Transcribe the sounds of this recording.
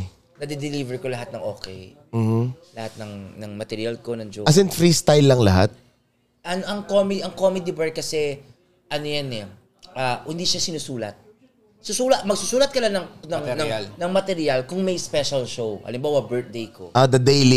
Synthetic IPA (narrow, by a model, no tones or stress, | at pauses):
nɐd̪ɪd̪ɪlivɛɹkolɐɦat̪̚nɐŋʔo̞̰ːkɛ̰j | m̩ːh̩lɐhat̪̚nɐŋnɐŋmɐt̪ɛɾɪalkonɐŋd͡ʒoɐs̬ɛnfɾist̪ajlːɐŋlɐɦa̰t̪̚ | ʔɐnʔɐŋkomɪʔɐŋkomɛd̪ɪbɛɹ̚kɐsɛ | ʔɐnojɐnɛ | ʔaːhɪnd̪iʃasɪnʊsuːlɐ̰t̪̚ | sʊsuːlɐt̪̚mɐɡ̚sʊsuːlɐt̪kɐlanɐŋnɐŋnɐlnɐŋmɐt̪ɛɾɪjalkʊŋmɐjspɛʃɐlʃowʔɐ̰lɪmbaːwɐbɛɹt̪̚d̪ejkʰo̰ʔad̪ɐd̪ejli